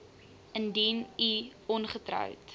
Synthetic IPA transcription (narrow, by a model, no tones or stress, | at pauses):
əndiniɔnχətrœ̰wt